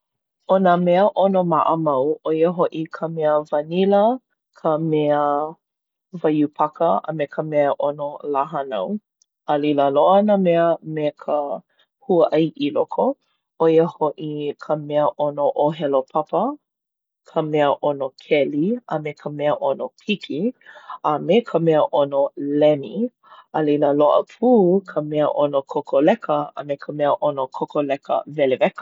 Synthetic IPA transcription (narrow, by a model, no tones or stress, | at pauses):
onəmɛəʔonomaʔəmɐwʔojəɦoʔikʰəmɛəvɐnilə | kʰəmɛə | vɐjupʰakəɐ̰mekʰəmɛəʔonolaɦanɐ̰w | ɐliləloənamɛəmekʰə | huəʔɐjʔilokʰo | ojəhoʔikʰəmɛəʔonoʔoɦɛlopʰɐpə | kʰəmɛəʔonokʰɛliɐmekʰəmɛəʔonopʰikʰiɐmekʰəmɛəʔonolɛni | ɐliləloʔə̰pʰuːkʰəmɛəʔonokʰokʰolɛkʰəə̰mekʰəmɛəʔonokʰokolɛkə̰vɛlevɛkə̥